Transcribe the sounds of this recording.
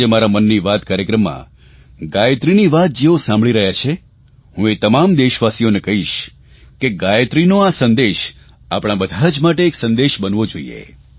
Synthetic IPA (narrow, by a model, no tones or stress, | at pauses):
emaɾamənːiʋat̪kaɾjəkɾəmːã̰ | ɡajət̪ɾiniʋat̪̚d͡ʒeosãmbɭiɾəɦjat͡ʃʰe | hũet̪əmamd̪eʃʋasijonekəɦiʃ | keɡajt̪ɾinoasənd̪eʃ | apɽ̃abəd̪ʱad͡ʒmaʈeːksə̃nd̪eʃbənʋod͡ʒoḭjḛ